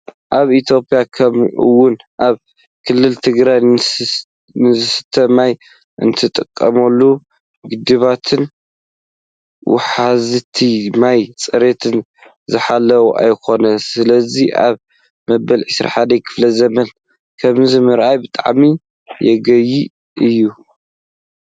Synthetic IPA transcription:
ʔaβit̪ʰjo̞pʼjakʰɐmɨ̰wʊnʔaβ | kʰɨlːɨlt̪ʰɨɡɾaj | nɨzɨsɨ̥t̪ʰɐmaj | ʔɨ̰nt̪ʰɨt̪ʼɨkʼːɐmɐlːu | ɡɨd̪ɨβat̪ʰɨn | wʊ̰ħazɨt̪ʰimajt͡sʼɨɾet̪ʰɨn | zɨħalːɐwuʔa̰jkʰo̞nɐsɨlɐziʔa̰β | mɐbɐlʕɨsɾa̰ħad̪ɐkʰɨ̥flɐzɐmɐn | kʰɐmzimɨɾʔajbɨt̪ʼa̰ʕmi | jɛɡɐji | ʔɨjːu

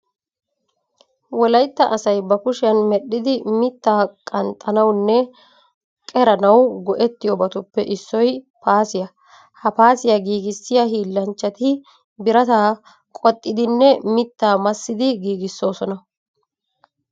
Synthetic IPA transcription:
wɔlɐjt̪ːɐʔɐsɐjbɐkʊʃɪjɐnmɛɗːɪd̪ɪmɪt̪ːaːkʼɐnt̪ʼːɐnɐwnːɛ | kʼɛɾɐnɐwɡɔʔɛt̪ːɪjɔbɐt̪ʊpːɛʔɪsːɔj | paːsɪjɐ | hɐpaːsɪjɐɡiːɡɪsːɪjɐɦiːlːɐnt͡ʃːɐt̪ɪ | bɪɾɐt̪aː | kʼɔt̪ʼːɪd̪ɪnːɛmɪt̪ːaːmɐsːɪd̪ɪɡiːɡɪsːo̞ːsɔnɐ

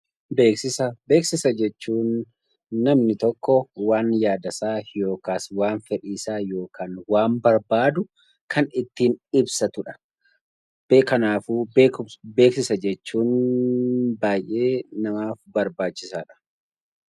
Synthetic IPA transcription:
beːksɪsɐbe̞ːksɪsɐd͡ʒɛt͡ʃːuːnː | ɐmnɪt̪ɔkːɔwaːnjaːd̪ɐsaːjo̞ːkaːswaːnfɛᶑiːsaːjo̞ːkaːnwaːmbɐɾbaːd̪ʊ | kʰɐnɪt̪ːiːnɪbsɐt̪ʊᶑɐ̥ | b̥eːkɐnaːfuːbebeːksɪsɐd͡ʒɛt͡ʃːuːn | baːjʔe̞ːnɐmaːfbɐɾbaːt͡ʃːɪsaːᶑɐ̥

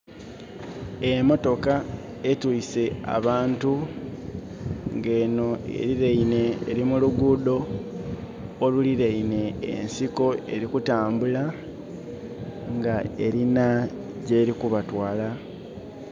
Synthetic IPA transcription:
emo̞to̞ka | etwise̞a̰βaːntu | ŋɡe̞ːno̞e̞̰ɾiɾeine̞̰ːɾimuluɡuːdo̞ | luliɾejine̞̰ːnsiko̞e̞ɾikutaːmbula | ŋɡae̞ɾina | ɟe̞ːɾikuβatwaːla

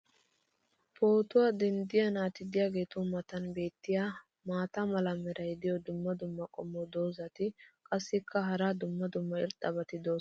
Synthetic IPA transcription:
pʰo̞ːt̪ʊwad̪ɛnd̪ɪjɐnaːt̪ɪd̪ɪjaːɡe̞ːt̪ʊmɐt̪ɐnbe̞ːt̪ːɪja | maːt̪ɐmɐlɐmɛɾʔɐjd̪ɪjɔd̪ʊmːɐd̪ʊmːɐkʼɔmːɔd̪o̞ːzɐt̪ɪkʼɐsːɪkʰːɐɦɐɾad̪ʊmːɐd̪ʊmːɐɪ̰ɾt̪ʼːɐbɐt̪ɪd̪o̞ː

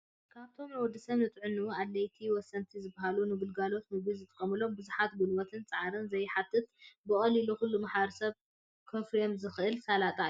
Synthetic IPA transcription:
kʰaβt̪ʰo̞mawɔd̪ɨsɐβnɨt̪ʼʕɨnːualːɐjt̪ʰiwɔsːɐnt̪ʰizɨbːaɦalunɨɡɨlɡalo̞t̪mɨɡizɨt̪ʼɐkʼɐmɨlo̞mbɨzuħat̪bɨlwɐt̪ʰɨnt͡sʼɨʕaɾɨnzɐjħat̪ʰʼːɨt̪bɨkʼɐliluxulːumaħbɐɾɐsɐβ | kʰɐfɾijomzɨxʔɨlsalat̪ʼaju

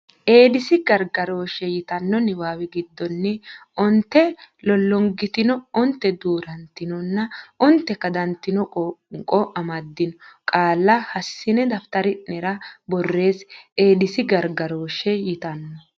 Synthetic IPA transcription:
ʔe̞ːd̪ɪsɪɡɐɾɡɐɾo̞ːʃɛjɪt̪ɐnːɔnɪwaːwɛɡɪd̪ːɔnːɪʔɔnt̪ːɛlɔlːɔŋɡɪt̪ɪnɔɔnt̪ːɛd̪uːɾɐnt̪ːɪnɔnːɐɔnt̪ːɛkɐd̪ɐnt̪ːɪnɔkʼɔʔɐmɐd̪ːɪnɔkʼaːlːɐhɐsːɪnɛd̪ɐft̪ɐɾɪnɛɾɐbɔrːe̞ːsʔe̞ːd̪ɪsɪɡɐɾɡɐɾo̞ːʃɛjɪt̪ɐnːɔ

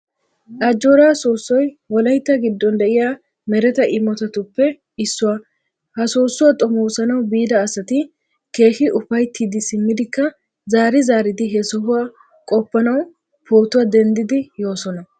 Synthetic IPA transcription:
ʔɐd͡ʒːoːɾaːsoːsːɔjwɔlɐjt̪ːɐɡɪd̪ːɔnd̪ɛʔɪjaː | mɛɾɛt̪ɐʔɪmːɔt̪ɐt̪ʊpːɛ | ɪsːʊwa | hɐsoːsːʊwɐt̪ʼɔmoːsɐnɐwbiːd̪ɐːsɐt̪ɪ | ke̞ːhɪʔʊfɐjt̪ːiːd̪ɪsɪmːɪd̪ɪkːɐ | zaːɾɪzaːɾɪd̪ɪɦɛsɔhʊwa | kʼɔpːɐnɐw | poːt̪ʊwad̪ɛnd̪ɪd̪ɪjo̞ːsɔnɐ

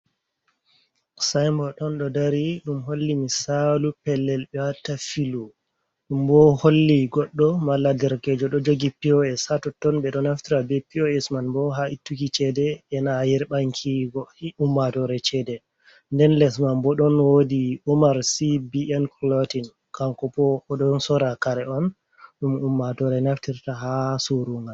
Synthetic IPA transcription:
sajmbɔɗɔnɗɔdaɾiɗumɦolːimisalupɛlːɛlɓɛwatafilu | ɗumbɔholːiɡɔɗːɔmalːadɛɾkɛd͡ʒɔɗɔd͡ʒoɡipiɔɛsatɔtɔnɓɛɗɔnaftiɾabɛpiɔɛsmanbɔɦaitːukit͡ʃɛdɛɛnajiɾɓaŋkʰiɡɔumːatɔɾɛt͡ʃɛdɛ | ndɛnlɛsmanbɔɗɔnwodiumaɾsibiʔɛnklɔtin | kaŋkɔpɔɔɗɔnsɔɾakaɾɛɔn | ɗumumːatɔɾɛnaftiɾtaɦasuɾuŋɡal

